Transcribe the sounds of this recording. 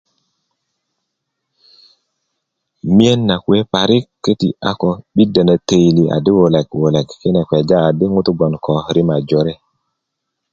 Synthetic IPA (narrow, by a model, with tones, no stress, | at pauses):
mi˦e˦nːa˨kwe˦pa˨ɾi˦kːe˦ti˨a̰˦kɔ˨ɓi˦də˨nə˨te˨jli˨ʔa̰˨di˦wo˨le˨kwo˨le˨kːe˦ne˨kwe˨d͡ʒaː˦˨di˦ŋu˦t̪u˦ɡɔ˨nkɔ˨ɾi˦ma˨d͡ʒo˨˦ɾe˦